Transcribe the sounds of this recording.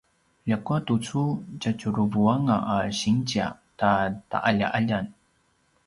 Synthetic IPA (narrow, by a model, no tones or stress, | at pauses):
ʎakuatut͡sucat͡ɕuɾuvuaŋaʔaɕiŋt͡ɕia̰tata̰ʔaʎa̰ʔaʎan